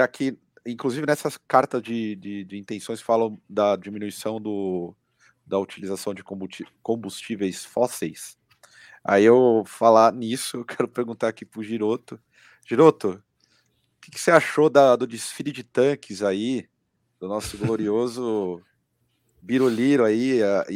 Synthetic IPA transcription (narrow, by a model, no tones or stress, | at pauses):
akʰɪ | ĩŋkluzivɪnɛsɐskaɾt̪ɐzd͡ʒɪd͡ʒɪd͡ʒɪĩnt̪ẽsõj̃sfalɐ̃w̃d̪ɐd͡ʒimĩnuisɐ̃w̃d̪ʊ | d̪ɐut͡ʃilizasɐ̃w̃d͡ʒɪkõbukõbust͡ʃivejsfɔsejs | a̰iewfalanisʊewkʰɛɾʊpeɾɡũnt̪aɾakipɾʊʒiɾot̪ʊ | ʒ̥iɾot̪ʊ | kɪkɪ̥seaʃod̪ɐd̪ʊd͡ʒɪsfilʊd͡ʒɪt̪ɐ̃kɪzai | d̪̥ʊnɔsʊɡloɾiozʊ | biɾoliɾʊaia